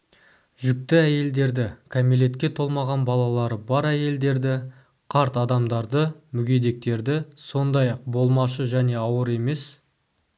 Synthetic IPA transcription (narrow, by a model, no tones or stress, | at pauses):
ʒʏk̚t̪ɪæje̞ld̪e̞ɾd̪ɪkʰamile̞t̪kʲe̞t̪ʰo̞lˠmɑʁɑnbɑlˠɑlˠɑɾəbɑɾæje̞ld̪e̞ɾd̪ɪ | qʰɑɾt̪ɑd̪ɑmd̪ɑɾd̪əmʏɡʲe̞d̪e̞k̚t̪e̞ɾd̪ɪso̞nd̪ɑjɑq̚bo̞lˠmɑʃəʒæne̞ɑwəɾe̞me̞s